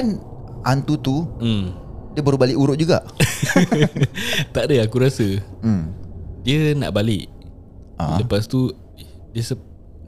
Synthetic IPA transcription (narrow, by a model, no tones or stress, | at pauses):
an | ant̪ut̪umdiəbəɾubalɪʔuɾʊʔ̚d͡ʒuɡa̰ʔ | t̪aʔdəakuɾasə | diəna̰ʔbalɪʔ | ʔa̰ləpast̪u | diəsə